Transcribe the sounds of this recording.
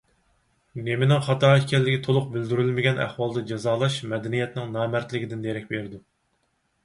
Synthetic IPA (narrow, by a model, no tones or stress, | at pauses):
nemɪnɪŋχɑt̪ʰɑːɛkʲɛlːɪɡʲɪt̪ʰolˠʊq̚bɪld̪yɾylmɪɡʲɛnæ̰χwɑlˠd̪ɑd͡ʒɑzɑːlˠɑʃmɛd̪ɛnijɛt̪nɪŋnɑːmæɾt̪lɪɡʲɪd̪ɪnd̪eɾɛkʲbeɾɪd̪u